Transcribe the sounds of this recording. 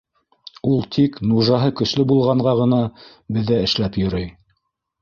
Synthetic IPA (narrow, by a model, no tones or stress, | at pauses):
ulˠt̪ʰiknuʒɑɦɤkɵ̆slɵbulˠʁɑɴɢɑʁɤ̆nɑ | bɘ̆ðːæɘ̆ʃlæpjŏɾɤj